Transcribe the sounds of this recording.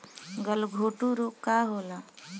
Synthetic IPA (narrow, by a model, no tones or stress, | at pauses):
ɡəlɡʱoːʈuɾukaɦoːla